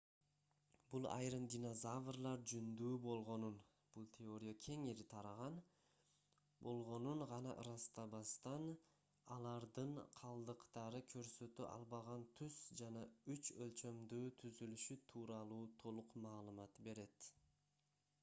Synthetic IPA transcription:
bulˠɑ̰jɾɯmd̪ʲino̞zavrlˠɑɾd͡ʒynd̪yːbo̞lˠʁo̞nun | b̥ulˠt̪ʲʰeo̞ɾʲɪjakʲʰe̞ŋeɾit̪ʰɑɾɑʁɑn | bo̞lˠʁo̞nunʁɑnɑ̰ʔɯɾɑst̪ɑbɑst̪ɑn | ɑlˠɑɾd̪ɯɴqʰɑlˠd̪ɯqt̪ɑɾɯkʰø̞ɾsø̞t̪yʔɑ̰lˠβɑʁɑnt̪ʰyz̥d͡ʒɑnɑyt͡ʃølt͡ʃø̞md̪yːt̪ʰyzylyʃyt̪ʰuːɾɑlˠuːt̪ʰo̞lˠuqmɑːlˠɯmɑt̪be̞ɾe̞t̪

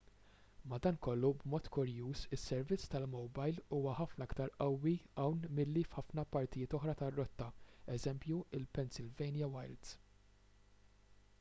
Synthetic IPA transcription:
mɐd̪ɐːnkɔlːubmɔːt̪kʊɾjuːsɪsːɛɾvɪt͡sːt̪ɐlmɔwbɐjluːwɐħɐfnɐɐkt̪ɐɾʔɐwːiɐwnmɪlːifħɐfnɐpɐɾt̪ɪjɪːt̪ɔħɾɐt̪ɐrːɔt̪ːɐɛzɛmpjuɪlpɛnsɪlvɛjnjɐwɐjld̪

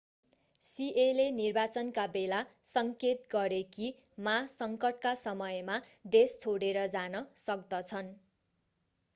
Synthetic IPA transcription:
sielenirbat͡sʌnkabelasʌŋket̪ɡʌɾeki | masʌŋkʌʈkasʌmʌjmad̪est͡sʰoɽeɾʌd͡zanʌsʌk̚d̪ʌt͡sʰʌn

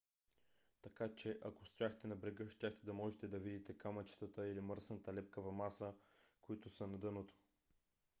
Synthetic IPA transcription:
t̪ɐkat͡ʃɛʔɐkost̪jaxt̪ɛnɐbɾɛɡəʃt̪ʲaxt̪ɛd̪ɐmɔʒɛt̪ɛd̪ɐvid̪it̪ɛkamɐt͡ʃt̪ət̪əilimɤɾsnɐt̪əlɛpkəvɐmasəkoit̪ʊsənɐd̪ɤnot̪o̥

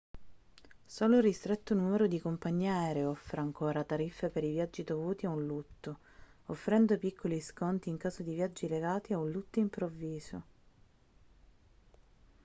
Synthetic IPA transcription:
soːlorist̪ɾet̪ːonumeɾod̪ikompaɲːɛːɾeɔfːɾeaŋkʰoːɾat̪aɾifːepeɾivjad͡ʒːid̪ovuːt̪iaunlut̪ːo | ofːɾɛnd̪opikʰːoliskɔnt̪iːŋkaːzod̪ivjad͡ʒːileɡaːt̪iaunlut̪ːoimpɾovːiːzo

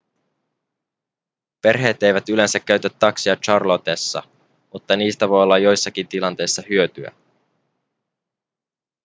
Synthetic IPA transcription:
pe̞rɦe̞ːt̪e̞jʋæt̪yle̞nsækːæɥt̪æt̪ːɑksiɑt͡ʃɑrlot̪esːɑ̰ | mut̪ːɑniːst̪æʋo̞jo̞lːɑjo̞jsːɑk̟int̪ilɑnt̪e̞jsːɑhyø̞t̪yæ̰

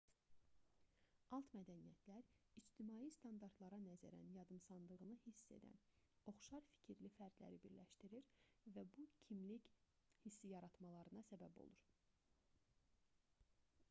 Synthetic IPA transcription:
ɑlˠt̪mæd̪ænijæt̪ʰlæɾid͡ʒt̪imɑːjist̪ɑnd̪ɑɾt̪lˠɑɾɑnæzæɾæ̰njɑd̪ɯmsɑnlˠɯʁɯnɯhisːe̞̰d̪æ̰n | o̞χʃɑɾfi̥cʰiɾlifæɾd̪læ̰ɾibiɾlæʃt̪iɾiɾvæbucʰimlic | hisːijɑɾɑt̪mɑlˠɑɾɯnɑsæbæbo̞̰lˠuɾ

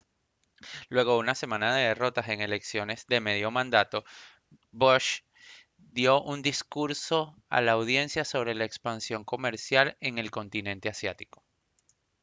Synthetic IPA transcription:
lwe̞ɣ̞o̞unase̞mãnaðe̞ð̞e̞ro̞t̪ase̞ŋe̞le̞ksjo̞ne̞zd̪e̞me̞ðjo̞mãnd̪at̪o̞ | boʃ | d̪jo̞ʔund̪iskuɾso̞a̰laːwð̞je̞nsjaso̞β̞ɾe̞laekspansjo̞ŋko̞me̞ɾsjale̞ŋe̞lko̞nt̪inẽ̞nt̪e̞asjat̪i̥ko̞̥

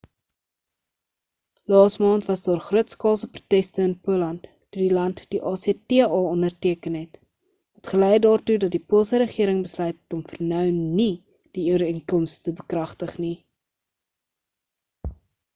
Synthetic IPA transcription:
lɑːsmɑːntvɐsdɑːrχruətskɑːlˠsəpru̥tɛstəənpuəlɐnt | tudilɐntd̥iʔɑːseətiəɑːɔndərtiəkənɦɛt | ɦətχəlɛjdɑːrtudɐt̚dipuəlˠsəɾəχiəɾəŋbəslœɥttɔmfərnœwni | d̥iyəɾiŋkɔmstəbəkrɐχtəχni

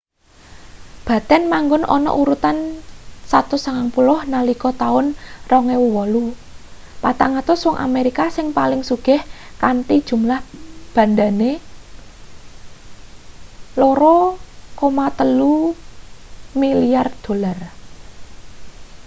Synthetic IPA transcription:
b̥ä̤t̪ɛnmaŋɡʊnʔɔ̰nɔ̰ʔuɾut̪ansat̪ʊsəŋaŋpulʊhnalikɔt̪aʊnrɔŋewuwɔlu | pat̪aŋat̪ʊswɔŋʔa̰meɾikasɪŋpalɪŋsuɡ̥ɪh | kant̪id̥ʒ̥ṳmlahb̥ä̤nd̪ane | loɾɔkomat̪əlu | milijard̪̥o̤lar

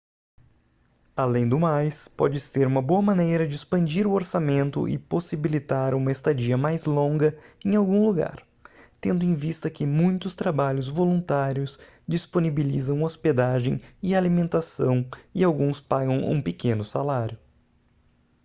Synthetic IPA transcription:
alẽj̃d̪ʊmajspɔ̰d͡ʒɪseɾũmɐboɐmɐ̃nejɾɐd͡ʒɪspɐ̃nd͡ʒiɾʊoɾsamẽnt̪ʊ̰ʔɪ̰posibilit̪aɾũmɐest̪ad͡ʒiɐmajzlõŋɡɐẽj̃awɡũluɡa̰ɾ | t̪ẽnd̪ʊẽj̃vist̪ɐkɪmũj̃t̪ʊst̪ɾabaʎʊzvolũnt̪aɾjʊs | d͡ʒisponibilizɐ̃w̃osped̪aʒḛ̃j̃ɪalimẽnt̪asɐ̃w̃ɪawɡũspaɡɐ̃w̃ṵ̃pekʰẽnʊsalaɾʲjʊ

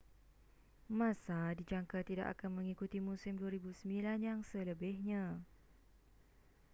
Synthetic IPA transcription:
mãsadid͡ʒaŋkat̪ida̰ʔa̰kanmə̃ŋikut̪imũsɪmduaɾibusəmbilanjaŋsələbɪhɲã

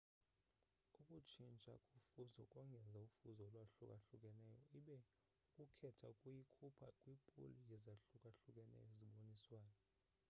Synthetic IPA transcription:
ukʼut͡ʃʰint͡ʃʼa̰kʼufuzɔkʼɔŋɡʱɛzaufuzɔlwaɬukʼaɬukʼɛnɛːjɔiɓɛ | ukʼukʰɛtʰakʼwikʰupʰakʼwipʼṵlijɛzaɬukʼaɬukʼɛnɛ̰jɔziɓoniswaːnɔ

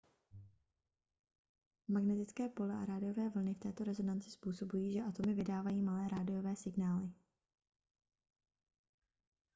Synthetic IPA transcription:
maɡnɛt̪ɪt͡skɛːpo̞lɛʔa̰ɾaːdɪjo̞vɛːvl̩nɪft̪ɛːt̪o̞ɾɛzo̞nant͡sɪ̥spuːso̞bujiːʒɛʔat̪o̞mɪvɪdaːvajiːmalɛːɾaːdɪjo̞vɛːsɪɡnaːlɪ

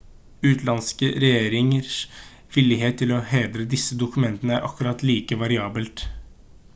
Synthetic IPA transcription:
ʉːt̪lɑnskəɾɛjeːɾɪŋəɾs | ʋɪlːɪɦeːt̪ʰːɪlɔheːd̪ɾəd̪ɪsːəd̪ʊkʉmɛnt̪ənəæɾʔɑkʉɾɑt̪liːkəʋɑɾɪɑːbəlt̪

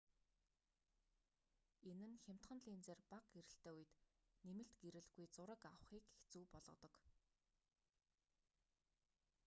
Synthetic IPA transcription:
enɘ̆nxʲem̥ʲt̪χə̆nɮiːnt͡seːrpaq̚ɡeɾɘ̆ɬt̪eːujɘ̆t̪nemɘ̆ɬt̪ɡeɾɘ̆ɮɣujt͡sʊɾə̆kawə̆χiːkext͡suːpɔɮʁɞ̆t̪ɞ̆k

